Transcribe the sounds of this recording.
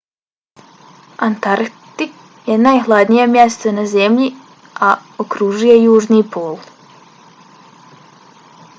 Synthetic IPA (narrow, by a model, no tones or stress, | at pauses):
ant̪aɾt̪ik | jenajɦlˠad̪nijemjɛst̪anazemʎi | aokɾuʒuje̞juːʒniːpʰoːlˠ